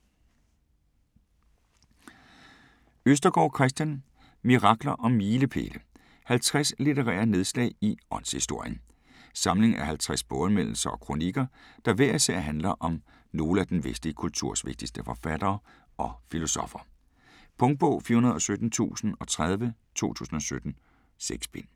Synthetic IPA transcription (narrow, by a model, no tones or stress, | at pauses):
øsd̥ɐɡ̥ɒ̰ːkʰʁɛs̬d̥jæn | miʁɑ̈ɡ̥lɐʔɒ̽miːləpʰe̝̰ːlə | hælt͡sʰʁaslit͡seʁɛ̰ːɐne̝ð̞ˠslɛ̰ɪiɒ̽nshisd̥o̝ɐ̰jən | sɑ̈mle̝ŋæɐhælt͡sʰʁasb̥ɔ̽ːð̩ˠmen̰l̩sɐɒ̽kʰʁo̝niɡ̥ɐd̥ɑ̈ʋæɐ̰isɛ̰ɦænlɐʔɒ̽m | no̝ːləæd̥enʋesd̥liəkʰult͡sʰuɐ̰sʋe̝ɡ̥̚d̥isd̥əfɒ̽fæd̥ɐː | ɒ̽filo̝sɒ̽fɐ | pʰɔ̽ŋ̥̚b̥ɔʊ̰fiɐhunɐð̩ˠɒ̽sød̥n̩t͡sʰṵːsn̩ɒ̽t͡sʰʁað̞ˠʋə | t͡sʰo̝̰ːt͡sʰṵːsn̩ɒ̽sød̥n̩ | seɡ̥sb̥en